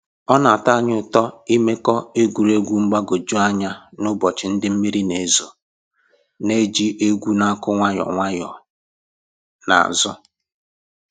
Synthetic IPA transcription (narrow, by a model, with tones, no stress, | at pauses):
ɔ˦na˨ta˦˨ɲ˦ʊ˦˨tɔ˦i˦me˦kɔ˦e˦ɡʷu˨ɾe˦ɡʷu˦ŋ͡m̩˦ɡ͡ba˦ɡo˨d͡ʒu˦a˦ɲa˦nʊ˦bɔ˨t͡ʃɪ˨n̩˦dɪ˦m̩˦mi˦ɾi˦ne˨zo˨ | ne˦d͡ʒi˦ʔe˦ɡʷu˦na˦kʊ˦ŋʷa˦jɔ̰˨ŋʷa˦jɔ̰˨ | na̰˨a̰˨zʊ˦